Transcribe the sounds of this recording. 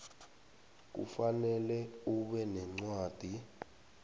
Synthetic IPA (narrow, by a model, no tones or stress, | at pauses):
k̬ṵfanɛlɛuɓɛnɛŋ͡ǀwaːd̥ʱi